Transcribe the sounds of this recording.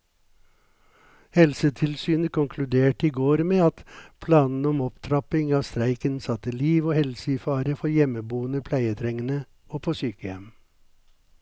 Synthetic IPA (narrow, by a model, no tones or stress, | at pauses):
hɛlsət̪ʰɪlsyːnəkʰʊŋkʰlʉd̪eːʈiːɡoːɾmeːɑt̪pʰlɑːnn̩ɔmɔpt̪ʰɾɑpɪŋɑːʋst̪ɾæɪkənsɑt̪əliːʋoːhɛlsəɪfɑːɾəfɔɾjɛməbuːənəpʰlæɪət̪ʰɾɛŋənə | oːpʰoːsyːkəjɛm